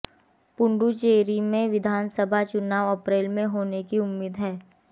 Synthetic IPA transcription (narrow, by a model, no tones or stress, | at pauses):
pʊɳɖut͡ʃeːɾimẽʋɪd̪ʱaːnsəbʱat͡ʃʊnaːʋɐpɾeːlmẽɦoːnekiʊmːiːd̪ɦɛː